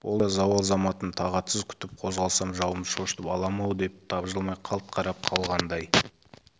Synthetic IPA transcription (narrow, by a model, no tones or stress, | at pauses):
wʔolˠɑzɑwlˠzɑmɑt̪ənt̪ʰɑʁɑt̪səzkʲʰʏ̥t̪ɪp̚qʰo̞zʁɑlˠsɑmʒɑwəmʃoʃt̪əpɑlˠɑmɑwd̪e̞p̚t̪ʰɑbʒəlˠmɑjqʰɑlˠt̪̚qʰɑɾɑp̚qʰɑlˠʁɑnd̪ɑj